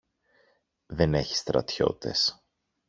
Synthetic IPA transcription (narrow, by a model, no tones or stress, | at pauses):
ðe̞ne̞çi̥st̪ɾɐ̰t̪ço̞̰t̪e̞̰s